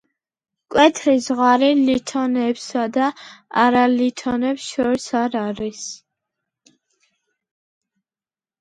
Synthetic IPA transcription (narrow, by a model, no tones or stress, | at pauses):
kʼwɛt̪ʰɾizʁaɾilit̪ʰɔnɛpsad̪aa̰ɾalit̪ʰɔnɛpsʃɔɾisaɾaɾis